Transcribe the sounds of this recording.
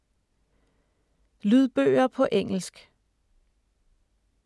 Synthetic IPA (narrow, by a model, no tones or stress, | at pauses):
lyð̞ˠb̥ø̰ːɪɐpʰɒ̽ʔeŋ̰l̩sɡ̥